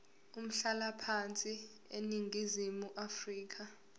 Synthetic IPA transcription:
um̩ɬalapʰant͡sʼi | ḛniŋɡʱizimuʔafriːk̬ʰa

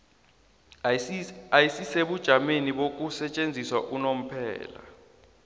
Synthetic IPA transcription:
ajisiseɓud̥ʒ̥ʱameniɓok̬ʼusɛt͡ʃʼend͡zʱiswaʔunom̩pʰɛ̰ːla̰

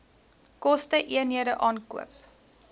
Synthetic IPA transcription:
kɔstəʔiənɦiəɾəʔɑːnkṵəp

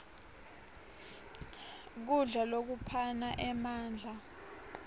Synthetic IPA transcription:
k̬uɮalok̬upʰanaʔɛmaːnd͡ɮʱa

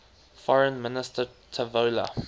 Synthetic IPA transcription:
fɔɹə̃nmɪnɪstətʰəvolə̰

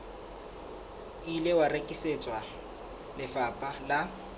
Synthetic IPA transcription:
ilewarekʼiset͡sʼwa | lɪfapʼala

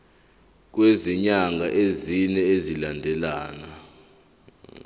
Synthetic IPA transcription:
k̬weziɲaŋɡʱaʔezinɛezilandʱɛlaːna

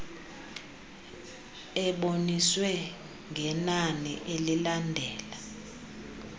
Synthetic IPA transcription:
ɛɓoniswɛ | ŋʱɛnanḭʔelilandʱɛːla

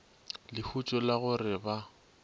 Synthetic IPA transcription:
lɪhut͡ʃʼɔlaɣʊrɪba

